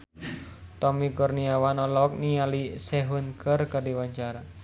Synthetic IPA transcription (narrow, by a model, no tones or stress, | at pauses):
t̪ɔmikɔrniawanɔlɔk̚nialisɛɦunkʰərkadiwaɲt͡ʃaɾa